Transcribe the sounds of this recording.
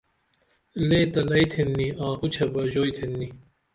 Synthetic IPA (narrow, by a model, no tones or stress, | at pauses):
leːt̪ɐlɐit̪ʰenːiãːkut͡ɕʰɐbɐʑoːjt̪ʰenːi